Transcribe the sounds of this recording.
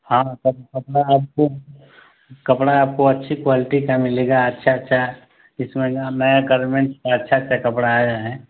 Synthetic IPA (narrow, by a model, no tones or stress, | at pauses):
hãtɔkɐpɽaaːp̚ko | kɐpɽaːp̚koɐtːʃʰikwaːlɪʈikamɪleːɡaɐtːʃʰaətːʃʰa | ɪsmẽanɐjaɡəɾmẽɳʈkaɐtːʃʰatːʃʰakɐpɽaaːaɦɛ̃ː